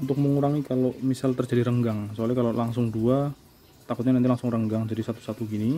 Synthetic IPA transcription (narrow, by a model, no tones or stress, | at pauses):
unt̪ʊk̚məŋuɾaŋikalomisalt̪ərd͡ʒadiɾəŋɡaŋsəalɛkalolaŋsʊŋdua | t̪akʊt̪̚ɲanant̪ilaŋsʊŋrəŋɡaŋd͡ʒadisat̪u̥sat̪uɡini